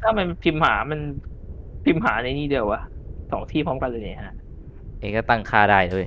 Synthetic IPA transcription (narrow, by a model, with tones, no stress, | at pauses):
t̪ʰaː˥˩ma˧n˧pʰi˧mhaː˩˦ma˧n | pʰi˧mɦaː˩˦na˧niː˥˩dɯ˧˩əwa˦˩sɔː˩˦ŋt̪ʰiː˥˩pʰɔ˦˥mka˧nlːŋa˨˧˩ha˧˩ʔ | ʔeː˧˩kɔː˥˩t̪a˥˩ŋkʰaː˧˩daː˥˩jdu˥˩j